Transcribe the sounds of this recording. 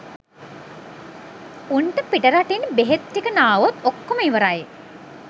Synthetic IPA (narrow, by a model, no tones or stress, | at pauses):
unʈəpiʈəɾaʈinbeɦet̪ːikənaːʋot̪okːoməiʋəɾaje